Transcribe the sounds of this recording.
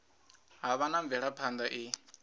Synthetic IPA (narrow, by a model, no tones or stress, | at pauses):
ɦaβanaɱvɛɺapʰand̪aʔi